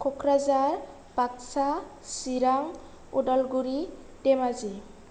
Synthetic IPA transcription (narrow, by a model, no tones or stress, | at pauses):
kʰɔkʰɾazaɾ | b̥ak̚sa | siɾaŋ | udɔlɡuɾi | dɛmazi